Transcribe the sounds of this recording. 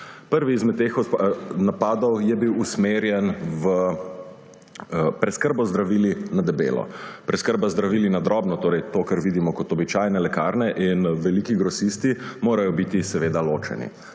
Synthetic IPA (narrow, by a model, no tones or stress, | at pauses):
pəɾʋiːzmɛt̪̚t̪ːexɔnapaːd̪ɔwjɛbiwusmeːɾjɛnʋə | pɾɛskəɾbɔzd̪ɾaʋiːlinad̪ɛbḛːlɔ̰pɾɛskəɾbazd̪ɾaʋiːlinad̪ɾɔːbnɔt̪oːɾɛjt̪oːkaɾʋiːd̪imɔkɔt̪ɔbit͡ʃajnɛlɛka̰ːɾnɛʔinʋɛlikiɡɾɔsist̪imoːɾajɔbit̪isɛʋeːd̪aloːt͡ʃɛ̰nḭ